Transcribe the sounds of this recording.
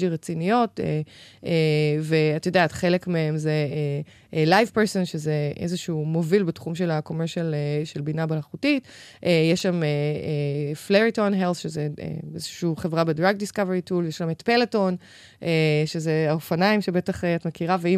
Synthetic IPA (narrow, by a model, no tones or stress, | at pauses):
iʁet͡sinijo̞tḛeveatjodeatχe̞lekmeemzee | lajvpeʁsonʃezeezeʃuːmo̞vilbetχumʃelako̞meʁʃaleʃelbinabelaχutitʔejeʃameefleʁito̞nɦelθʃezḛezeʃuuːχe̞vʁabedʁaɡ̚diskaveʁituljeʃlametpe̞leto̞n | eʃezeaofanaimʃebe̞taχeatmekiʁavei